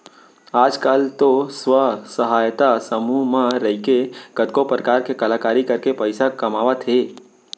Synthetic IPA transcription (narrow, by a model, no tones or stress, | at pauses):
aːd͡ʒkaːlt̪oswəsəɦaːjt̪asəmumãɾəɦikeɡ̥əd̪̚kopɾəkaːɾkekɐlaːkaːɾikɐɾkepəɪsakɐmaːʋat̪ʰeː